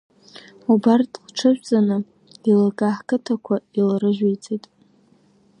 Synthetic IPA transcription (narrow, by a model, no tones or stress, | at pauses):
ubartʼlʈ͡ʂʰɨʒᶣʷt͡sʼanɨ | ilakʼaħkʰʼɨtʰakʷʰailrɨʒᶣejt͡sʼejtʼ